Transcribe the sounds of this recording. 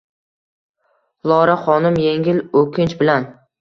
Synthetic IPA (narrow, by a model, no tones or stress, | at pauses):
lˠɒɾaχɒnɪmjeŋʲɪlɵkʲʰɪnt͡ʃbɪlan